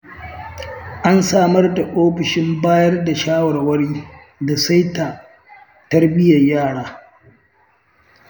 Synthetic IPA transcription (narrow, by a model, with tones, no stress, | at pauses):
ʔa˦nsaː˦˨mɐ˦rda˨ʔoː˦ɸɪ˨ʃɪ˦mbaː˦jɐ˦rda˨ʃaː˦wɐ˨rwɐ˦ɽiː˦ | da˨sa˦jtaː˨ | tɐ˦rbɪ˦jɐ˨jaː˦˨ɽaː˦